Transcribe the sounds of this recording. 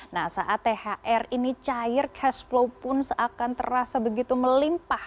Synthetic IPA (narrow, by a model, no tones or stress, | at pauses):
nahsaʔat̪ːehaʔɛrinit͡ʃajɪrkʰɛsflowpʊnsakant̪ə̰rasabəɡit̪uməlimpah